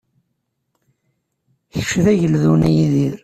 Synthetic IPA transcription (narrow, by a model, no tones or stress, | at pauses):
çəʃðæʝəlðunæjiðiɾ